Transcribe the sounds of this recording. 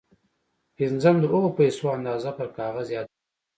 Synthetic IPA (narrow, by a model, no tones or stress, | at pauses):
ɪznzamd̪əʔoɣopajsoand̪ɑːzapəɾkɑɣazjɑd̪